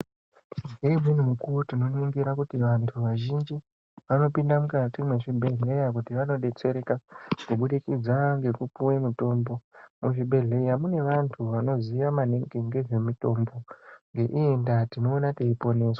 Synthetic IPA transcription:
ɡemin̤umukutino̞niŋɡiɾakutiʋantʰuʋaʒind͡ʒi | ʋano̞pindamukatimwe̞ʐibʱe̞ɮe̞jak̬utiʋano̞ɗe̞t͡se̞ɾe̞kakuɓuɗikid͡zaŋɡe̞kupuwemito̞mbo̞muʐibʱe̞ɮe̞jamune̞ʋantʰuʋano̞ziʋamaneŋɡeŋɡe̞ʐe̞mito̞mbo̞ŋɡe̞ʔie̞ndatino̞ːnateipo̞ne̞ːswḁ

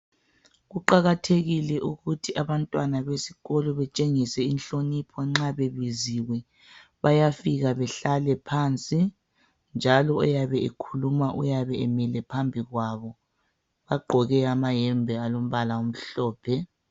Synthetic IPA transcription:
ɣuǃaɣatʰeɣilɛʔuɣutʰiʔaβantʼwanaβesi̥ɣɔlɔβɛt͡ʃʼeŋisɛinɬʼonipʰɔŋ͡ǁaβeβiziwɛ | βajafiɣaβɛɬalɛpʰant͡sʼi | nd͡ʒʱalɔɔjaβɛekʰulumaʔṵjaβɛɛmɛlɛpʰambʱiɣwaβɔ | βaɡ͡ǃʱɔɣɛamajɛmbʱɛalom̩βalaum̩ɬɔːpʰɛ

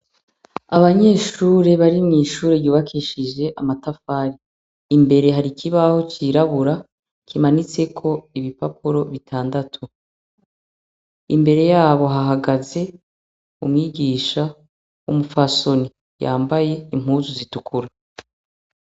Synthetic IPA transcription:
aβaɲe̞ːʃuːɾe̞βaɾimŋiːʃuːɾeɾjuːβakʰiʃiʒe̞ʔamatafaːɾiː | mbe̞ɾe̞ɦaɾikʰiβaho̞t͡ʃiɾaβuɾa | kʰimanit͡se̞kʰo̞iβipap̚uɾo̞βitʰaːndatʰu | imbe̞ɾe̞jaːβo̞ɦaɦaɡaze̞ | umŋiːɡiːʃa | umufaso̞ni | ja̰ːmbaje̞im̥huːzuzitukʰuɾa

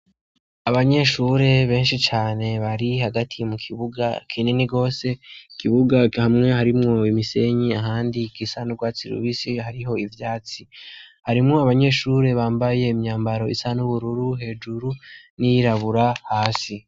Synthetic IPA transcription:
aβaɲe̞ʃuɾe̞βe̞ːnʃit͡ʃaːne̞βaɾihaɡatʰijomukʰiβuɡakʰiːneniɡo̞ːse̞ikiβuɡahamŋe̞haɾimŋo̞imise̞ɲiaɦaːndikisanuɡwaːt͡siɾṵβisihaɾiɦo̞ivjaːt͡sihaɾimŋo̞aβaɲe̞ːʃuɾe̞βaːmbaje̞imɲaːmbaɾo̞isanuβuɾuɾuɦe̞ːd͡ʒuɾunijiɾaβuɾahaːsi

